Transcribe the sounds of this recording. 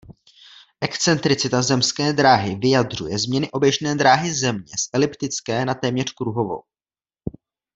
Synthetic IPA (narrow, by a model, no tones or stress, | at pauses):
ʔɛkt͡sɛnt̪ɾɪt͡sɪt̪azɛmskɛːd̪ɾaːɦɪvɪjad̪r̝ujɛzmɲɛnɪʔo̞bjɛʒnɛːd̪ɾaːɦɪzɛmɲɛsʔɛlɪpt̪ɪt͡skɛːnat̪ɛːmɲɛr̝̥kɾuɦo̞vo̞̰w